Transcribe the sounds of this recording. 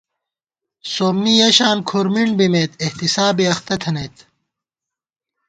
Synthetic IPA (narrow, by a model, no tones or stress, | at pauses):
soːmnijɐɕaːnkʰoɾmiɳbimeːt̪eht̪isaːbiɐxt̪ɐt̪ʰɐneːt̪